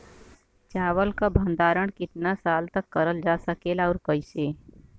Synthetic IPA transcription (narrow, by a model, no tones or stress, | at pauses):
t͡ʃaːʋəlkabʱə̃nd̪aːɾəɽ̃kɪt̪nasaːlt̪ɐkːɐɾəld͡ʒaːsəkeːlɔːɾkəɪseː